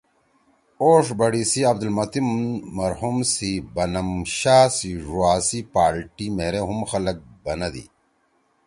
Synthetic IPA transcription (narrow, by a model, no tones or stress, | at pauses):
oːʂbɐɽisiɐb̚d̪ɐlmɐt̪immɐɾɦumsibɐnɐmɕaːsiʐuaːsipaːɾʈimeːɾeɦumxɐlɐk̚bɐnɐd̪ḭ